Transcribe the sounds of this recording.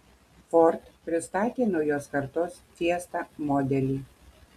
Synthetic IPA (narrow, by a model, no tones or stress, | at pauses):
fɔɾt̪pʲɾʲɪst̪ɑːt̪ʲeːnojoːskɐɾt̪oːst̪sʲiɛst̪ɑːmɔːd̪ʲɛlʲiː